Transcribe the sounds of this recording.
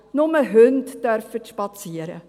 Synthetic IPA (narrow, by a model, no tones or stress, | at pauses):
nʊməɦønttœɾfətʃpɑt͡siəɾə̰